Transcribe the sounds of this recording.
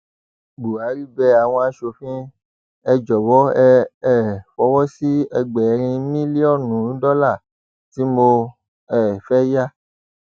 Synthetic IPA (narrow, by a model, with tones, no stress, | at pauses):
ɡ͡bu˨a˨˦ɾi˦˨bɛ˧˦a˨w̃ɔ̃˧a˨˦ʃo˧fĩ˦ | ɛ˧d͡ʒɔ˨wɔ˨˦ɛ˧ɛ˦˨fɔ˧˦wɔ˦si˦ɛ˧ɡ͡bɛ˨˧˦ɾ̃ĩ˧mĩ˦li˦ɔ˦˨nũ˨˦dɔ˦la˦˨ | ti˨˦mo˧ | ɛ˦˨fɛ˦ja˦˨